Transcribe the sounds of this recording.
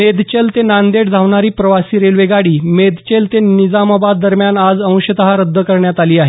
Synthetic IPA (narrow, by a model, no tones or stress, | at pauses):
med̪t͡ɕelt̪enand̪eʈd͡zʱaʋɳaɾiːpɾəʋasiːɾelʋeɡaɽiːmed̪t͡ɕelt̪enid͡zamabad̪ːəɾmjanad͡zə̃w̃ɕət̪əɦaɾəd̪ʱːəkəɾɳjat̪aliːaɦe